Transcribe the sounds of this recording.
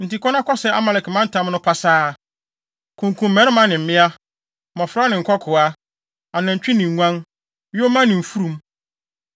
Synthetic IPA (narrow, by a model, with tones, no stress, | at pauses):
n̩˨ti˨kʰɔ˦nã˦kɔ˦sɛ˨˦a˦ma˨lɛ˨kmã˦n̩˦tʰã˨˦m˦nʊ̃˦pʰa˦saː˦ | kʰũ˨ŋkʰũ˨m̩˦mɛ̃˦ɾɪ̃˦mã˦nɪ̃˨m̩˨mɪ̃˦a˦ | mɔ̃˨fɾa˦nɪ̃˨ŋ̩˨kʰɔ˦kʰʊ˨a˦ | a˨nã˨ɲ̩˨t͡ɕᶣi˦nɪ̃˨ŋ˨ŋʷã˦n | wɪ˦o˦mã˦nɪ̃˨m̩˨fu˦ɾũ˨m